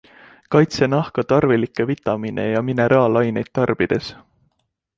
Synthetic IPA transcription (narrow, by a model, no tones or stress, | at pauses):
kɑjt̪senɑhkɑt̪ɑrvilikːˑe̞vit̪ːˑɑminʔe̞̰jɑmine̞ɾʔɑːlɑjne̞jd̪̥̚t̪ːɑrb̥id̪̥e̞s